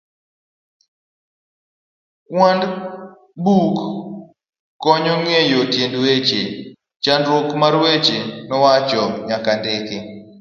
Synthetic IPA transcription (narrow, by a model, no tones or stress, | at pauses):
wand | buk | ɔɲɔŋejotjendwet͡ʃe | t͡ʃandɾwokmaɾwet͡ʃenɔwat͡ʃɔɲakandɪkɪ